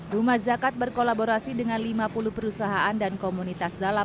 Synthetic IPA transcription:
rumahd͡ʒakat̪̚bərkolaboɾasidəŋanlimapuluhpəɾusaɦaʔandankomunit̪asdala

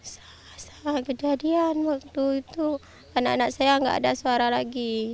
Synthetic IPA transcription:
sḁ | sḁkəd͡ʒadianwak̚t̪uit̪u | anaʔanaksajaŋɡa̰ʔa̰dasuaɾalaɡi

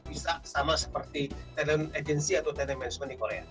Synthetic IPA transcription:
b̥isasamasə̥pərt̪it̪ɛnɛnad͡ʒɛnsiat̪awt̪ɛnɛnmɛnskɔndikoɾea̰

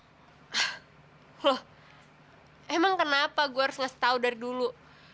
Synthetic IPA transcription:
lɔh | ɛmaŋkənapaɡuaaɾʊsŋast̪audaɾidulu

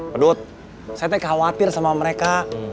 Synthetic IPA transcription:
pədut̪̚ | sajat̪aikhawat̪ɪrsamaməɾeka

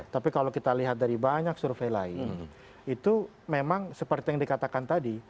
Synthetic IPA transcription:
t̪apikalowkit̪aliɦat̪̚daɾibaɲak̚surfejlaɪ̰n | it̪u | memaŋsəpərt̪ijaŋdikat̪akant̪adi

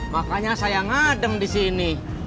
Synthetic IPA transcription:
makaɲasajaŋadəmdisini

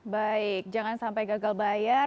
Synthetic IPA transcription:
baɪk̚d͡ʒaŋansampajɡaɡalbaja

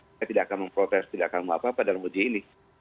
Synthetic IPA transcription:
at̪idaʔakanməmpɾot̪ɛst̪idaʔakanmuapaːpadalamud͡ʒiini

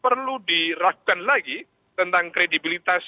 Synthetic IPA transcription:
pərludirak̚anlaɡi | t̪ənt̪aŋkɾedibilit̪as

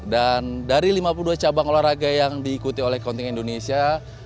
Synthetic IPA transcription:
dandaɾilimapuluduat͡ʃabaŋolaɾaɡajaŋdiːkut̪iolɛhkɔnt̪iŋindonesia

